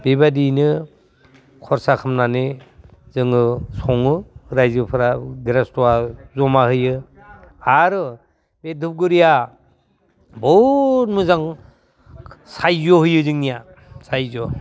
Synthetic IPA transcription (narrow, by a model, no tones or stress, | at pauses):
b̥ibadinɯ | kʰɔɾsakʰɯmnanezɯŋɯsɔŋɯɾajzɯpʰɯɾaɡiɾastɔwazɔmahɯjɯ | aɾɯ | bedʱup̚ɡɯɾija | bɔt̚mɯzaŋ | sajzɔhɯjɯzɯŋnija | sajzɔ